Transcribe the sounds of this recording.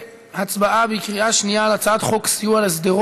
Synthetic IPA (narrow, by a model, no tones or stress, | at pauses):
hat͡sbaabəikʁiaʃnijalat͡sat̪χoksijualɪsd̪iʁ